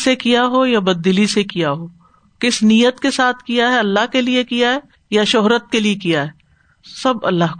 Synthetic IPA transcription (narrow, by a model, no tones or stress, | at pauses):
sekijaɦojabɐd̪ːɪlisekijaɦoː | kɪsnijət̪kesaːt̪ʰkijaɦɛɐlːaɦkeliekijaɦɛː | jaʃʊɦɾət̪̚keliekijaɦɛː | sɐbɐ̰lːaːɦ